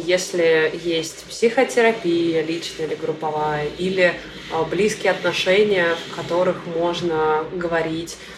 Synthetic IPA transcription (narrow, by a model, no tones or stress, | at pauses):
jesʲlʲɪjesʲtʲpsʲɪxətʲɪɾɐpʲijəlʲit͡ɕnəɪlʲɪɡɾʊpːɐvajəʔilʲɪ | blʲiskʲɪɐt̪nɐʂɛnʲɪjəfkɐt̪o̞ɾɨxmo̞ʐnəɡəvɐɾʲitʲ